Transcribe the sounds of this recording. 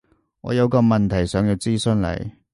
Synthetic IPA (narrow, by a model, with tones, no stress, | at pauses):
ŋɔ̰ː˨˧jɐ˨˧wkɔː˧mɐ˨nt̪ʰɐ˨˩jsœː˨˥ŋji˨˧wt͡siː˥sɵ˧nlɐ̰˨˩j